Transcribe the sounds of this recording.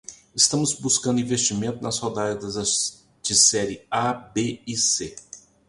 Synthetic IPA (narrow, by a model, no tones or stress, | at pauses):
ɪst̪ɐ̃mʊzbuskɐ̃nd̪ʊĩvest͡ʃimẽnt̪ʊnɐshod̪aʒɐd̪ɐzɐ | t͡ʃisɛɾɪabeise